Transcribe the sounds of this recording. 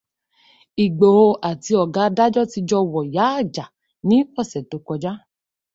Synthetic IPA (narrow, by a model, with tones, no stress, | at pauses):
i˨ɡ͡bo˨o˧ʔa˨ti˧ɔ˨ɡa˨˦da˦d͡ʒɔ˦ti˧d͡ʒɔ˧˦wɔ˨ja˨˦a˦˨d͡ʒa˨ | nĩ˨˦ɔ˦˨sɛ˨to˨˧kɔ˧d͡ʒa˦